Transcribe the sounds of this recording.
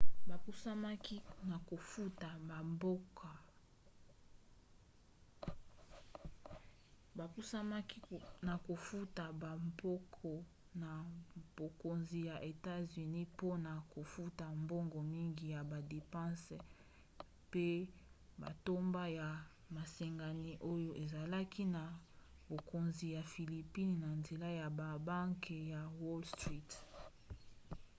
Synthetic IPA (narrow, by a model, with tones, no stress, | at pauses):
ba˨ku˦sa˦ma˦ki˦na˨ko˨fu˦ta˨ma˨mbo˦kʰa˨ | ba˨ku˦sa˦ma˦ki˦na˨ko˨fu˦ta˨ba˨mbo˦kʰɔ˨ | na˨b̥o˨ko˨nzi˨ja˨ʔe˨ta˦zy˨ni˦po˦na˨ko˨fu˦ta˨mbo˦ŋɡɔ˨mi˦ŋɡi˨ja˨ba˨de˨pã˦s | pe˦ba̰˨to˦mba˦ja˨ | ma˨sɛ˨ŋɡa˨ni˦ʔo˦jo˦ʔe˨za˨la˦ki˦na˨ | bo˨ko˨nzi˨ja˨fi˨li˨pi˦n˨na˨nze˨la˦ja˨ba˨ba˦ŋke˨ja˨wɔ˦lstʁi˦t